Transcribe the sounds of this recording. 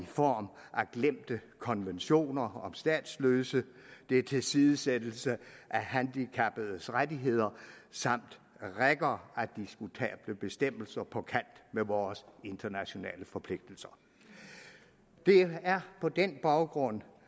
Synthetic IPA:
ifɒ̰ːmʔæɡ̥lem̰d̥əkʰɒ̽nʋenɕo̝̰ːnɐɒ̽msd̥ɛ̰ːd̥sløːsəd̥e̝ɐt͡sʰe̝lsiðˠəsed̥l̩səʔæɦænd̥ikʰæb̥ð̞̩ˠsʁad̥iɦe̝ð̞̰ˠɐsɑ̈m̰d̥ | ʁeɡ̥ɐæd̥isɡ̥ut͡sʰɛ̰ːb̥ləb̥e̝sd̥em̰l̩sɐpʰɒ̽kʰæn̰d̥meʋɒːse̝nd̥ɐnæɕo̝nɛ̰ːləfɒ̽pʰle̝ɡ̥̚d̥l̩sɐ̥ | d̥e̝æɐpʰɒ̽d̥enb̥ɑ̈ʊɡ̥ʁɔ̽n̰

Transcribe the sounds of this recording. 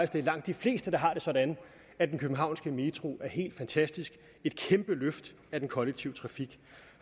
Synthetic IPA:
sd̥eɐlɑ̈ŋ̰d̥ːifle̝̰ːsd̥əd̥ɑ̈ɦɑ̈ɾ̥e̝sɒ̽d̥æn | æd̥enkʰøb̥m̩ɦɑ̈ʊnsɡ̥əmet͡sʰʁo̝ʔæɐhɦe̝̰ːld̥fænt͡sʰæsd̥isɡ̥ | e̝d̥̚kʰemb̥əløfd̥ | æd̥enkʰɒ̽leɡ̥̚t͡sʰiʊ̰t͡sʰʁɑ̈fiɡ̥

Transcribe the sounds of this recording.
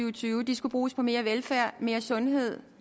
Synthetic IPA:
yʊt͡sʰyːʊəd̥isɡ̥ub̥ʁuːspʰɒ̽me̝ːɐʋelfæɐ̰me̝ːɐsɔ̽nɦe̝ð̞̰ˠ

